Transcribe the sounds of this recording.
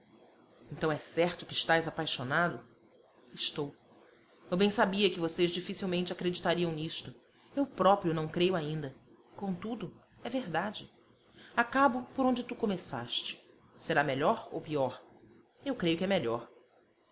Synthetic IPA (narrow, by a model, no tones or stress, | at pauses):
ẽnt̪ɐ̃w̃ɛsɛɾt̪ʊkɪɪʃt̪ajzapajʃonad̪ʊ | ɪʃt̪ow | ewbẽj̃sabiɐkɪvosezd͡ʒifisiwmẽnt͡ʃɪakɾed͡ʒit̪aɾiɐ̃w̃niʃt̪ʊ | ewpɾɔpɾjʊnɐ̃w̃kɾejʊaĩnd̪ɐ | kõt̪ud̪ʊ | ɛveɾd̪ad͡ʒɪ | akabʊpoɾõd͡ʒɪt̪ukomesa̰ʃt͡ʃɪ̥ | seɾameʎɔɾo̰wpiɔɾ | ewkɾejʊkɪɛmeʎɔɾ